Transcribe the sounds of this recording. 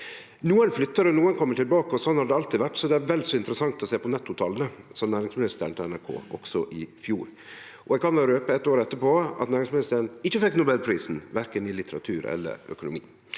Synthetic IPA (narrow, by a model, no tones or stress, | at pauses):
nuːənflʏt̪ːəɾənuːənkʰɔmːəʈɪlbɑːkəɔsɔnhɑɖ̪ɛɑlt̪iːʋæʈːsɔd̪ɛæɾʋɛld̪sɔɪnt̪əɾəsɑŋt̪ɔseːpɔnɛt̪ːʊt̪ʰɑlːənəsɑnæːɾɪŋsmɪnɪst̪əɾənʰɪlɛnæɾkʰo̰ːɔ̰ɡ̥sɔʔɪfjuːɾ | ʔɔɛɡkɑnʋæːɾəøːpəɛt̪ːoːɾɛt̪ːəpʰoɑ̰t̪næːɾɪŋsmnɪst̪əɾənɪçːəfɛkːnʊbɛlpʰɾiːsn̩ʋæɾkənɪlɪt̪ʰəɾɑ̰t̪ʰʉːɾɛ̰lːə̰ɾœ̰kʊnʊ̰mḭː